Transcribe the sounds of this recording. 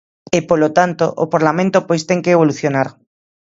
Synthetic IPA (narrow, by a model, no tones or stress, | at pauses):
epolot̪ant̪o̰ʔo̰paɾlamẽnt̪opojst̪eŋkeːβoluθjonaɾ